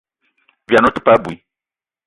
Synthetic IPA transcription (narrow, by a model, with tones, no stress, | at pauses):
vja˨no˦tʊ̥˦pa˦bu˨i˨